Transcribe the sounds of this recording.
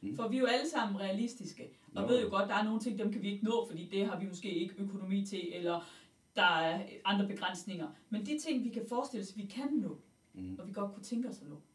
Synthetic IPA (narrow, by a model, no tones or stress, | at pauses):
fɒʋiæjo̝æləsɑ̈m̰n̩ʁɛælisd̥isɡ̥əɒ̽jʋe̝ð̞̰ˠjo̝ɡ̥ɒ̽d̥d̥ɑ̈æɐno̝ːn̩t͡sʰe̝ŋ̰d̥emkʰæʋie̝ɡ̥ənɔ̰̽ːfɒd̥ḭːd̥e̝ɦɑ̈ʋimɔ̽sɡ̥e̝̰ːe̝ɡ̥əøkʰo̝no̝mḭːt͡sʰe̝ʔelɐ | d̥ɑ̈æɐɑ̈nd̥ʁɐb̥e̝ɡ̥ʁan̰sne̝ŋɐmend̥it͡sʰe̝ŋ̰ʋikʰæfɒːsd̥e̝lsʋikʰænːɔ̰ː | ɒ̽ʋiɡ̥ɒ̽d̥̚kʰut͡sʰeŋɡ̥əɒsɒnɔ